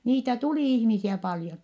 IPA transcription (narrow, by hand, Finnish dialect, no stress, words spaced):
niːtæ tuliˑ ihmisiæ pɑljon